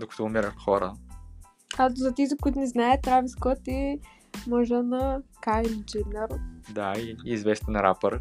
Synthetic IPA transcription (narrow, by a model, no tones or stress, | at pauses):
d̪okɐ̥t̪ɔːmiɾəxxɔɾə | ɐzɐt̪ɛzikʊit̪unɛznaɛt̪ːɾaviskɔt̪i | mɔʒɛnɐkajnd͡ʒinɛɾd̪aiːzvɛst̪ɛnɾa̰pəɾ